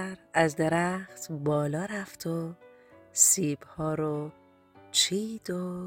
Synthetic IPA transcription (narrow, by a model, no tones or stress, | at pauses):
ɾæzd̪eɾæxt̪bɒːlɒːɾæft̪ʰo | siːbhɒːɾo | t͡ʃʰiːd̪o